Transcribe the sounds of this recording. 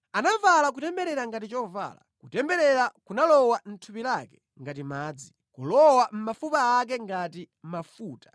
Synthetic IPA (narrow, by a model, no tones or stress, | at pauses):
anavalak̬utɛmbɛɾɛɾaŋɡatit͡ʃɔva̰ːla̰kutɛmbɛɾɛɾakunalɔwan̩tʰupilakɛ̥ | ŋɡat̬imaːd͡zi | kulɔwam̩mafupaːk̬ɛŋɡati | m̩mafuːtḁ